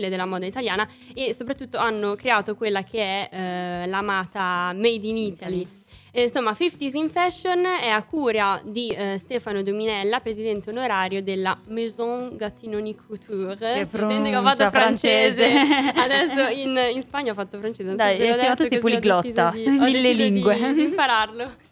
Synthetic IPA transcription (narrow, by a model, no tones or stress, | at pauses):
led̪elːamɔːd̪ait̪aljaːna | esopɾat̪ːut̪ːoanːokɾeaːt̪okwelːak̟ʰeɛlamaːt̪amejd̪init̪ali | nsomːafifd̪iziɱfɛʃːonɛakuːɾead̪ist̪ɛːfanod̪ominɛlːapɾezid̪ɛnt̪eunoɾaːɾjod̪elːamezoŋɡat̪ːinonikʰut̪ʰuɾɾd̪ekɔfat̪̬ːfɾaɾant͡ʃeːzead̪ɛsːoininspaɲːaɔfːat̪ːofɾant͡ʃeːzend̪ɛd̪iɛmaːt̪oosepoliɡlɔtizːaimilːeliŋɡweimpaɾarlo